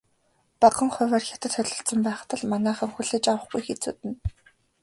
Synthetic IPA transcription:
paɢə̆ŋχʊwæːrxʲḁt̪ə̆t̪χœɮɞ̆ɬt̪sə̆mpæːχt̪ə̆ɮmanæːχə̆ŋxuɮeːt͡ɕawə̆χɡujxet͡suːt̪ɘ̆n

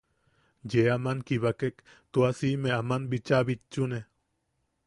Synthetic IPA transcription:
jeamankiβakek | t̪uasimeamanbit͡ʃaβit͡ʃːune

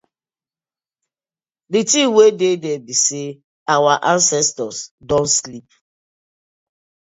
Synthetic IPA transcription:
ditiwededebise | awaʔãnsɛstɔsdɔ̃nslip̚

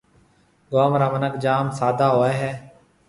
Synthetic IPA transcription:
ɡoːmɾaːmənəkd͡ʒaːmsaːd̪ʱaːɦoːeːɦɛː

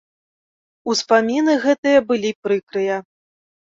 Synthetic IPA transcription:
uspamʲinɨɣɛt̪ɨjɐbɨlʲipɾɨkɾɨjɐ

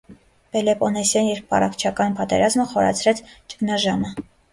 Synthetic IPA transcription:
pɛlɛpɔnɛsjɑnjɛɾppɑ̰rɑkt͡ʃʰɑkɑnpɑt̪ɛ̰ɾɑzməχɔɾɑ̰t͡sʰɾɛt͡sʰt͡ʃə̥knɑʒɑmə

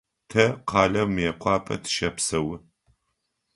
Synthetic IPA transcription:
tʰɐqʰɑːɮɐwmjɛqʷɑːpʰʼɐ̰tʰɨ̥ʃɐpsɐwɪ

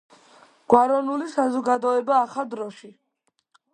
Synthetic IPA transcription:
ɡ̥waɾɔnulisazɔɡad̪ɔɛbaːχad̪ɾɔʃi

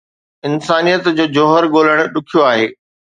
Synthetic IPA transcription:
ɪnsaːnijət̪d͡ʑoːd͡ʑoːɦəɾɠoːləɽ̃ɗʊkʰijoaːɦeː

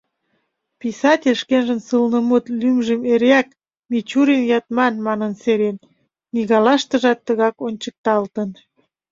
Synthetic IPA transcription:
pisɑtʲelʲʃkenʒə̆nsɯlnəmut̪lymʒemeɾeæk | mit͡ɕuɾenjɑt̪mɑnmɑnənseɾen | miɣɑlɑʃt̪ə̆ʒɑt̪ːəɣɑkonʲt͡ɕək̚t̪ɑlt̪ən

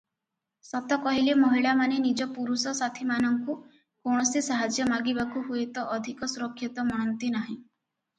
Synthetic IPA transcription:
sɔt̪ɔkɔɦilemɔɦiɭamanenid͡ʒɔpuɾusɔsat̪ʰimanɔŋku | koɳ̃ɔsisaɦad͡ʒjɔmaɡibakuɦuet̪ɔʔːd̪ʱikɔsuɾɔkʰːjɔt̪ɔmɔɽ̃ɔnt̪inaɦĩ

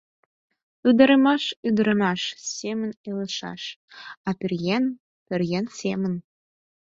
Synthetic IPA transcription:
yd̪ə̆ɾə̆mɑʃyd̪ə̆ɾə̆mɑʃsemə̆nelə̆ʃɑ̰ʃɑpʲɘrɣen | pʲɘrɣensʲemən

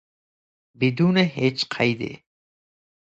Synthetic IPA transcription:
bid̪uːneɦet͡ʃqʰajd̪ḛ

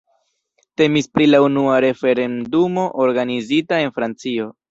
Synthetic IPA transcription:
te̞mispɾilaunuaɾe̞fe̞ɾe̞ndumo̞ʔoɾɡanizitae̞nfɾant͡sio̞

